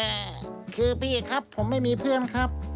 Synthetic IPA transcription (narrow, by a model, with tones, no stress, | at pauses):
ɛː˨˩kʰɯː˧piː˧˩˨kʰa˦˥pʰːo˩˦mːa˥˩jmiː˧pʰɯ˥˩ənkʰa˦˥p̚